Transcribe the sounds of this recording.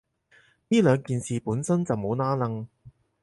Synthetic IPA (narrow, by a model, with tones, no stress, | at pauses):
niː˥lœː˨˧ŋkiː˨nsiː˨puː˨˥nsɐ˥nt͡sɐ˨wmo˨˧wnaː˥lɐ˧ŋ